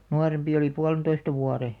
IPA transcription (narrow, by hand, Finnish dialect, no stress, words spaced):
nuɑrempi oli puɑlĕntoistɑ ʋuɑre